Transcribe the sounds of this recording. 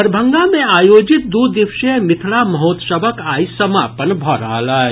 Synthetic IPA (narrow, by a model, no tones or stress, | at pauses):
əɾbʱə̃ŋɡamẽaːjoːd͡ʒɪt̪̚d̪uːd̪iʋʃemɪt̪ʰɭamɐɦoːt̪səbəkaːisəmaːpənbʱɔɾa̰ːlaːe